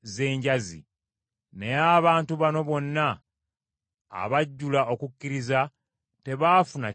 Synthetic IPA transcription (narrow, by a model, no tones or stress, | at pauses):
ze̞ːɲɟazḭ | ne̞jaβaːntuβano̞βo̞nːa | βaɟːulao̞kucːiɾiza | te̞βaːfuna